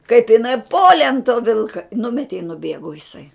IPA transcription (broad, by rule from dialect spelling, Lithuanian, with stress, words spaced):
kɐɪp ɪˈnɐɪ ˈpoːlʲeː ɐn toː ˈʋʲɪlˠkɐ ˈnʊmʲɛtʲɪ ɪ nʊˈbʲeːɡʊ ɪˈsɐɪ